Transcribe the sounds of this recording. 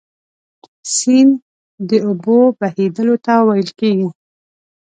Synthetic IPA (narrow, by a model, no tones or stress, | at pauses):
sin | d̪əubobahed̪əlot̪awajəlkeɡi